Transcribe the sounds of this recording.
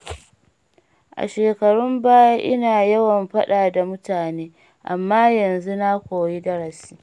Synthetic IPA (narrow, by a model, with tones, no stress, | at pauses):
ʔa̰˨ʃeː˨kɐ˨ɽʊ˦mbaː˦ja˦ʔɪ˦naː˨jɐ˦wɐ˨mɸɐ˦ɗaː˨da˨mʊ˦taː˨neː˦ | ʔa˨mːaː˦jɐ˨nzu˦na˦kʷoː˨ji˦dɐ˦ɽɐ˨si̥ː˦